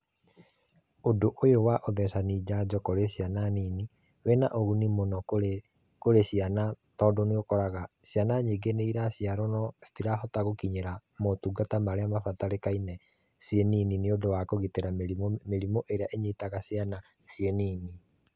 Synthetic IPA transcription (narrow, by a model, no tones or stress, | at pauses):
odoʔojowaʔoðɛsanid͡ʑad͡ʑɔkoɾeɕiananini | wɛnaʔoɣunimonɔke | koɾeɕianatɔːdoneokɔɾaɣaɕianaɲeɡeneiɾaɕiaɾɔnɔsi̥tiɾaɦɔtaɣokiɲeɾamotuɡatamaɾeamafataɾekainɛ | siɛninineodowakoɣiteɾamiomeɾimoʔeɾeaʔeɲetaɣasjanasiɛniːni